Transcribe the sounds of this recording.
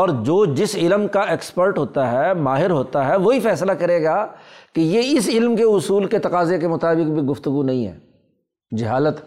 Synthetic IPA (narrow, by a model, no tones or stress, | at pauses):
ɔːɾd͡ʒoːd͡ʒɪsɪlmkaeːkspəɾʈɦoːt̪aɦɛmaːɦɪɾɦoːt̪aɦɛʋoɦifɛːslakɐɾeːɡaːkijeɪsɪlmkeʊsuːlket̪ɐqaːzekemʊt̪aːbɪkbʱiɡʊft̪ʊɡunɐɦĩɦɛ̰ː | d͡ʒɪɦaːlət̪